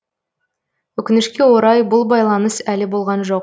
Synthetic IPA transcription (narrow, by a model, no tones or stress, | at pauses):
wɵkʲɪnɪʃkʲe̞wo̞ɾɑjbʊlˠbɑjlˠɑnəsælɪbo̞lˠʁɑnʒo̞q